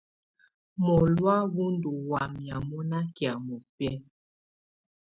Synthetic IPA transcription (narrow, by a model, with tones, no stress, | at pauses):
mɔ˨lwa˦βu˦ndu˨wa˨mja˨mɔ˦na˦ki˨a˨mɔ˨pɛ˦